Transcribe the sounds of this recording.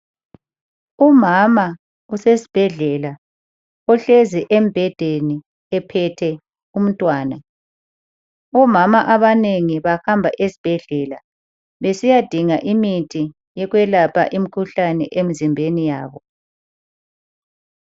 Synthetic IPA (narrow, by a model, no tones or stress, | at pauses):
umama | usesi̥b̥ʱɛɮɛla | ɔɬeziʔem̩b̥ʱɛd̥ʱeni | ɛpʰɛtʰɛ | um̩tʼwaːna | ɔmamaʔaβaneŋiβahambʱaʔesi̥b̥ʱɛɮɛla | βesijad̥ʱiŋaʔimitʰʼi | jɛɣwɛlapʰa̰ʔim̩kʰuɬanɛ̰ʔemizimbʱenijaːβɔ